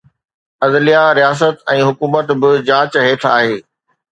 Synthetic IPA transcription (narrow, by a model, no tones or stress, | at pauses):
ɐzlijaɾijaːs̬ət̪ɛ̃ːɦʊkuːmət̪bɪd͡ʑãːt͡ɕɦeːʈʰa̰ːɦeː